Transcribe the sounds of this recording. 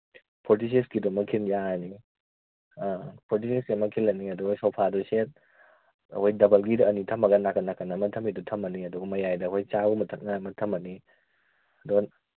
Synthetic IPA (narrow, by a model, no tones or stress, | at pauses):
pʰoɾtiseskidɔmɐkʰinjaɐni | apʰoɾt̬isesɡimɐkʰilɐniɐduɡjsɐwpʰaduset̚ | ɐ̰hojdɐbɐlɡidɐːnitʰɐmɐɡɐnakɐnːakɐnɐmɐtʰɐmidutʰɐmɐniɐduɡɐmɐjajdɐɦojt͡ʃaɡumɐtʰɐk̚nɐmɐtʰɐmɐni | ɐduɡɐ